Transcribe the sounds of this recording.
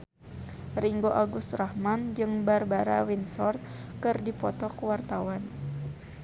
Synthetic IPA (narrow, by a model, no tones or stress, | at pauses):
riŋɡoʔaɡust̪rahmand͡ʒɨŋbarbaɾa̰winsɔrt̪̚kɨrdipɔt̪ɔkwart̪awan